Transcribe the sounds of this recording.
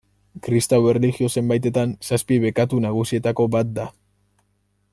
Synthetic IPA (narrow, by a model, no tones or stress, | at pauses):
kɾist̪awe̞ɾreliɣio̞se̞mbajt̪e̞t̪ansaspiβe̞kat̪unaɣ̞usie̞t̪ako̞bat̪̚d̪a